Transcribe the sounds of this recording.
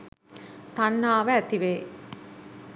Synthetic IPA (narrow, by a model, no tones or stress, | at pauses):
t̪anːaːʋəæt̪iʋeː